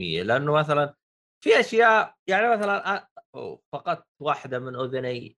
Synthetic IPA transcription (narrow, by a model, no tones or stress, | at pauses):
ɪ̰jːa̰lɪʔanːʊmaθalan | fiʔaʃjaːʔjaʕnimaθalanʔafɑqɑt̪̚ˤwaːħɪd̪amɪnʔʊðʊni